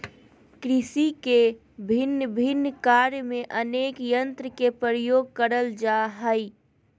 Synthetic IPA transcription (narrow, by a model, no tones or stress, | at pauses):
kɾɪsike | bʱɪnːbʱɪnːkaɾjmẽʔəneːkjə̃nt̪ɾəkepɾəɾəjoːɡ̚kəɾəld͡ʒaɦəi